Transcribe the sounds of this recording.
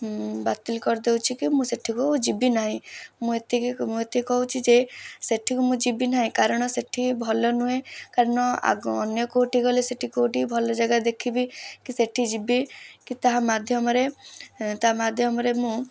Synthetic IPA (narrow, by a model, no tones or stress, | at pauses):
bat̪ilkɔɾd̪ewt͡ʃʰikimũseʈʰikud͡ʒibinaɦĩmũet̪imũet̪ikɔɦut͡ʃʰid͡ʒeseʈʰikumũd͡ʒibinaɦĩkaɾɔɽ̃ɔseʈʰibʱɔlɔnuɦẽkaɾɔɽ̃ɔa̰ɔ̰njɔkoʈiɡɔleseʈʰikoʈibʱɔlɔd͡ʒaɡad̪ekʰibikiseʈʰid͡ʒibikit̪aɦamad̪ʱjɔmɔɾe | t̪aamad̪ʱjɔmɔɾemũ